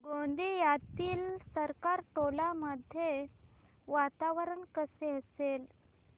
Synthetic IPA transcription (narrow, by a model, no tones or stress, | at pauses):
ɡõnd̪ijat̪iːlsəɾkaɾʈolaməd̪ʱje | ʋat̪aʋəɾəɳkəseəsel